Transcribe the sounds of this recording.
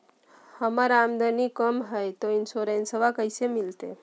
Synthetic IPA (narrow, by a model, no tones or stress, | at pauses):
həmaɾamd̪ənikəmɦəjt̪oinsoɾensəʋakəjsemilt̪e